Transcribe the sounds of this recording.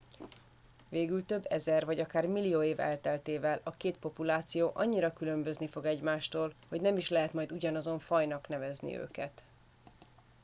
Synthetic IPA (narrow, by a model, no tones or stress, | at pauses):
veːɡylt̪ø̞bːɛzɛrvɒɟɒkaːrmilːijoːeːvɛ̰lt̪ɛlt̪eːvɛlɒkeːt̪po̞pulaːt̪sijoːʔɒɲːiɾɒkylø̞mbø̞znifo̞ɡɛɟmaːʃt̪oːlho̞ɟnɛmiʃlɛɦɛt̪mɒjd̪uɟɒnɒzo̞ɱfɒjnɒknɛvɛznḭø̰ːkɛt̪